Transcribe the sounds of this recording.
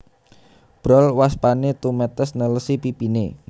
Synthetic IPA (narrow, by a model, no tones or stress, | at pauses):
b̥ɾɔlwaspanet̪umɛt̪əsnələsipipinḛ